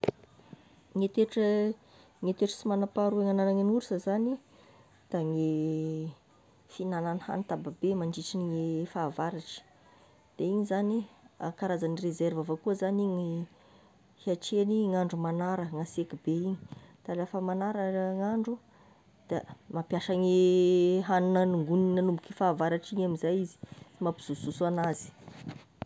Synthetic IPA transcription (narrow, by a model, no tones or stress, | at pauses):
ŋet̪eʈ͡ʂə | ŋet̪eʈ͡ʂə̥simanapaɾueŋananaŋinuɾsazani | d̪̥aŋe | finananiha̰nit̪ababemaɳɖ͡ʐiʈ͡ʂiniŋefaːvaɾaʈ͡ʂə̥ | d̪̥eiɲizaniakaɾazanirezervavakuəzaniŋi | hiaʈ͡ʂeniŋaɳɖ͡ʐumanaɾəŋasekibeiɲit̪alafəmanaɾəŋaɳɖ͡ʐu | d̪̥amapjaʃaŋeɦanunəniŋɡuninanumbiukifaːvaɾaʈ͡ʂiɲamizajizi̥imapi̥z̥ususuanazi̥